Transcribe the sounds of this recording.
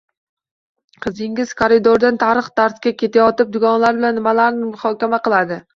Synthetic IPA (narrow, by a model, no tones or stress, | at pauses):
qʰɨzɪŋʲɪz̥kʰoɾɪd̪oɾd̪ant̪ʰaɾɨχd̪aɾt̪kʲakʲʰe̞t̪ʰajɒt̪ɪp̚d̪ʊɡɒnlaɾbɪlanːɪmalaɾnɪmʊhɒkʲamaqɨlˠad̪ɪ